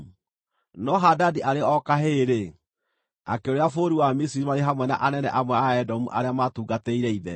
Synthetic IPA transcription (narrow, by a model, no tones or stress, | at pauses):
nɔɦadadiʔaɾeɔkaɦeɾe | a̰keoɾeafoɾiwamisiɾimaɾeɦamwɛna̰ʔanɛnɛ̰ʔamwɛaɛdɔmuʔa̰ɾeamatuːɡatɛiɾɛiðɛ̰